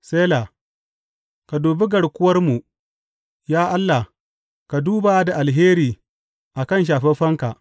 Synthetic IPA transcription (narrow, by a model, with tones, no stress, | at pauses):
seː˦la˨ | ka˨duː˨bɪ˦ɡɐ˨ɽkʷʊ˦wɐ˦rmu˨ʔ | jaː˦ʔa˦lːa˨h | ka˨duː˦ba˨˦da˨ʔa˨lɦeː˦ɾiː˨ | ʔa˨kɐ˦˨nʃ̬aː˨ɸɛ˦ɸɐ˦ŋka˨ʔ